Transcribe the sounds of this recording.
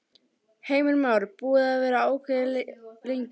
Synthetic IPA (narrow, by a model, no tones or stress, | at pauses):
heːjmɪlmawɾɪpuːðaːvɛːɾaoːwkʰɪðlleɲc